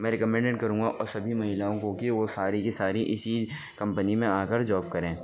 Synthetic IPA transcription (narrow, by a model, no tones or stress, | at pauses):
mɛ̃ːɾɪkɐmɛ̃ːɳɖeɖkɐɾũːŋɡaʔɔːɾsɐbʱimɐɦɪlaːõkokiʋosaːɾikisaːɾiʔɪsid͡ʒ | kɐ̃mpənimẽaːkɐɾd͡ʒɔːb̚kɐɾẽː